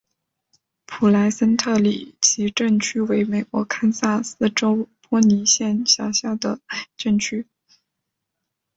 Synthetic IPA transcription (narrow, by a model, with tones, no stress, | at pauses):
pʰu˨˩la˧˥ɪsə˥nt̪ʰɤ˥˩lḭ˨˩t͡ɕʰi˧˥ʈ͡ʂə˥˩ŋt͡ɕʰy˥we˧˥ɪme˨˩ɪkwɔ̰˧˥kʰa˥nsa˥˩sɹ̩˥˩ʈ͡ʂo˥ʊpwɔ˥ni˧˥ɕjɛ˥˩nɕjɑ˨˥˩ʊɕjɑ˥˩ʊd̪ə˩ʈ͡ʂə˥˩ŋt͡ɕʰy˥